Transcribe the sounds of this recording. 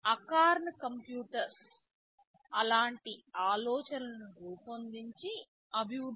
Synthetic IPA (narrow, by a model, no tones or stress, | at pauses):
ɐkaːɾnɐkɐmpjuːʈɐɾs | ɐlaːɳʈiaːlɔːt͡ʃɐnɐnuɡuːpond̪iɲt͡ʃi | ɐbʱiwud̪